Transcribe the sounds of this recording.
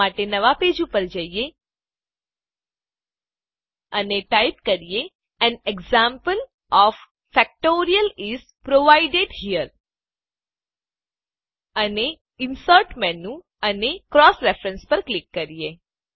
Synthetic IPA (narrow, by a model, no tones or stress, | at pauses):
aʈenəʋaped͡ʒũpəɾd͡ʒəije | əneʈajp̚kəɾije | ɛneɡzãmpəl | ɔf | fɛk̚ʈoɾijəlis | pɾoʋaiɖeɖɦijəɾ | əne | ɪnsəɾʈmɛnːũ | ənekɾɔsɾefɾə̃nspəɾklikːəɾije